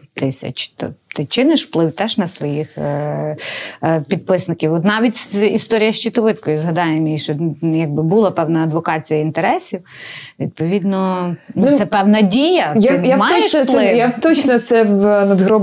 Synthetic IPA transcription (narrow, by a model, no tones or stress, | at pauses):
t̪ɪsʲɐ̰t͡ʃt̪ɔ̰t̪ɪt͡ʃɪnɪʃwplˠɪwt̪ɛʒnɐsʋɔjix | pʲid̪̚pɪsnɪkʲiwɔt̪nɑʋʲitʲsist̪ɔɾʲijɐʃt͡ʃit̪ɔʋɪt̪kɔjʊzɦɐd̪ɑjemʲjiʃt͡ʃɔjɑɡ̚bɪbulˠɐpɛwnɐɐd̪ʋɔkɑt͡sʲijɐint̪eɾɛsʲiw | ʋʲid̪̚pɔʋʲid̪nɔnusɛpɛwnɐdʲijɐjnjamɑjɔeplˠɪjat̪ɔt͡ʃnɐt̪sɛʋnɐd̪ɦɾɔ